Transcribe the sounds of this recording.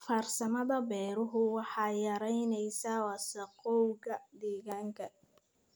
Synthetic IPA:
faːrsɐmɐðɐbɛːɾʊɦʊwɑħɑːjɐɾɛjnɛjsawɑsɐqɔwɣɐd̪ɛːɣaːŋkʰɐ

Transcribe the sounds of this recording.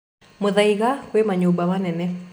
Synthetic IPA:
moðaiɣakwemaɲobawanɛnɛ

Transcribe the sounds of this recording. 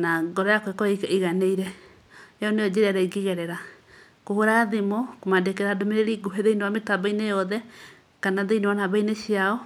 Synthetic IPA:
naɡɔɾɔjakowekɔekiɣaneiɾɛ | eɔneod͡ʒeɾaɾaiɡiɣɛɾɛɾa | kohoɾaðemokomadekeɾadomeɾeɾiɡuɦeðeinewametabainejɔðɛ | kanaðeinewanaβaineɕiaɔ

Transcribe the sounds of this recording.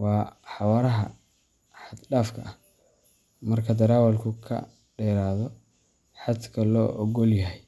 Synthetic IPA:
wɑːħɑwɐɾɐɦɐ̰ | ħɑd̪ɖaːfkʰɐ̰ʔɐh | mɐrkʰɐd̪ɐɾaːwɐlkʰʊkʰɐ̰ | ɖɛːɾaːðɔ | ħɑt̪kʰɐlɔːʔɔɡɔljɐɦɛj

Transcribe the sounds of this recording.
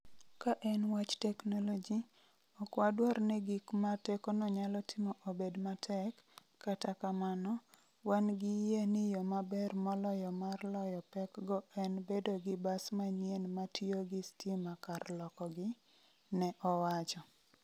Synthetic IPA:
kaʔɛnwat͡ʃtɛknolod͡ʒi | ɔkwadwaɾnɛɡikmatɛkɔnɔɲalɔtʰɪmɔʔobedmatʰɛkː | atakamanɔ | wanɡɪjenɪjɔmabɛrmɔlɔjɔmarlɔjɔpɛkɡɔɛnbedoɡɪbasmaɲjenmatjoɡɪstimakarlɔkɔɡɪ | nɛʔɔwat͡ʃɔ

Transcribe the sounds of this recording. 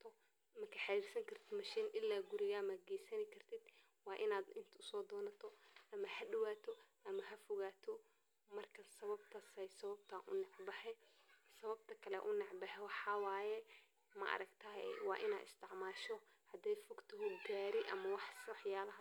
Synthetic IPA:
t̪ʰɔ | mɐkʰɐħaɾirsɐŋkʰɐr̥t̪ʰɪd̪mɐʃiːnʔɪlːaːɡʊɾɪɣaːmɐd̪̚ɡɛjsɐnɪkʰɐrt̪ʰɪd̪̥ | wɑːʔɪnaːd̪ɪnt̪ʰɐʊsɔːd̪ɔːnɐt̪ʰɔʔɐmɐhɐɖɪwaːt̪ʰɔʔɐmɐɦɐfɔɣaːt̪ʰɔ | mɐrkʰɐnsɐβɐb̚t̪ʰɐsɛjsɐβɐb̚t̪ʰaːʔʊ̰nɑʕbɐħɛsɐβɐbt̪ʰɐkʰɐlɛ̰ʔʊnɑʕbɐħɛwɑħɑːwaːjɛ | mɐ̰ʔɐ̰ɾɐɡt̪ʰɐɦɛwɑ̰ːʔɪna̰ːd̪ɪ̰st̪ʰɪʕmaːʃɔhɐd̪ɛjfɔɡt̪ʰɔɦɔɡaːɾɪʔɐmɐwɑħsɐħjaːlɐɦɐ

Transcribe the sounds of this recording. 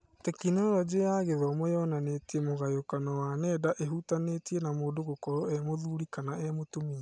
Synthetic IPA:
tɛkinɔɾɔd͡ʒejaːɣeðɔmɔjɔnanetiemoɣajokanɔwanɛːdaʔeɦutanetienamoːndoɣokɔɾɔɛmoðuɾikanaɛmotomiɛ

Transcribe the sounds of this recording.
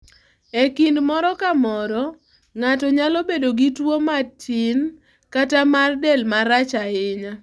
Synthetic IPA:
ekindmɔɾɔkamɔɾɔ | ŋatɔɲalɔbedoɡitwomatɪn | katamardɛlmaɾat͡ʃaɪɲa

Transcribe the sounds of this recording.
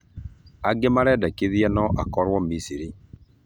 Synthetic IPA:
aɡemaɾɛdɛkeðiɛnɔʔakɔɾwɔmisiɾi

